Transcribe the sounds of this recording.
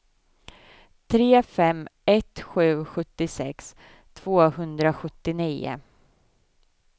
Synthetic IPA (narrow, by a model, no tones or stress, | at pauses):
t̪ʰɾeːfɛmːɛt̪ɧʉ̟ːɧɵt̪ːɪsɛks | t̪ʰv̥oːhɵnd̪ɾaɧɵt̪ːɪniːʊ̰